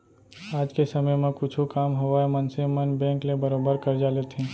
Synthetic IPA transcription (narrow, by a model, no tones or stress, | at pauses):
ad͡ʒkesəməjmẽkʊt͡ʃʰukamɦoʋaemənsemənbẽŋklebəɾobəɾkəɾd͡ʒalet̪ʰĩ